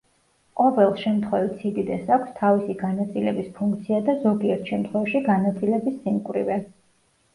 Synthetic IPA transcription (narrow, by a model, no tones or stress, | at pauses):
qʼɔvɛlˠʃɛmt̪ʰχwɛvit̪sʰid̪id̪ɛsakʷʰst̪ʰavisiɡanat̪sʼilɛbispʰuŋkʰt̪sʰiad̪azɔɡiɛɾt̪ʰʃɛmt̪ʰχwɛvaʃiɡanat̪sʼilɛbisːimkʼwɾḭvɛ